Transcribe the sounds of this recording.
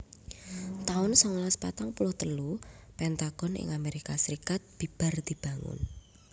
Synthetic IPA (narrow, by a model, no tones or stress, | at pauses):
t̪aʊnsɔŋlaspat̪aŋpulʊht̪əlupɛnt̪aɡ̥ɔnɪ̰ŋameɾikasəɾikat̪̚b̥i̤b̥a̤rd̪̥i̤b̥a̤ŋʊ̰n